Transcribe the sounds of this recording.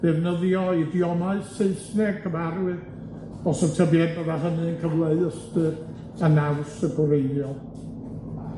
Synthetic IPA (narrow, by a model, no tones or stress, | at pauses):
d̥ɛvnəðjɔidjɔmaɨseɨθnɛkʰəvaɾwɨ | ɔsɔtʰəbjɛndəðaɦənɨənkʰəvlˠeɨəstɨ | anawsəɡɔɾeɨðjɔ